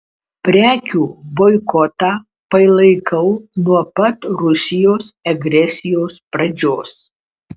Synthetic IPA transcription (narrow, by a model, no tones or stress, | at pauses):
pʲɾʲæːkʲuːbɔɪkɔt̪ɑː | pɐɪlˠɐɪkʰɐʊnuɔpɐt̪ɾʊsʲɪjoːsɐɡɾʲɛsʲɪjoːspɾɐd͡ʒʲoːs